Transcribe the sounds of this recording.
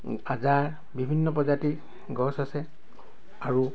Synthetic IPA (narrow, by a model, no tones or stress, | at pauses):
azaɹ | bibʱinːɔpɔzati | ɡɔsasɛ | aɹu